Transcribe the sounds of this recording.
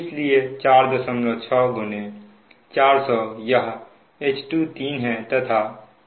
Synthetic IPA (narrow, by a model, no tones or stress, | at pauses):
ɪsliet͡ʃaːɾd̪əsəmlot͡ʃʰɔɡʊne | t͡ʃaːɾsɔːjəɦ | eːt͡ʃʈut̪iːnɦɛ̃t̪ɐt̪ʰa